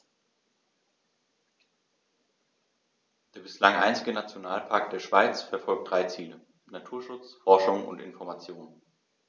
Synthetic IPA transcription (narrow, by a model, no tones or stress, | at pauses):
d̥eːɐbɪslaŋʔa̰ɪnt͡sɪɡənat͡sjonaːlpʰaɐk̚t̚d̥eːɐʃv̥aɪt͡sfɛɐfɔlk̚t̚d̥ʁaɪt͡siːlə | natʰuːɐʃʊt͡sfɔɐʃʊŋʊ̰ntɪ̰nfɔɐmat͡sjoːnn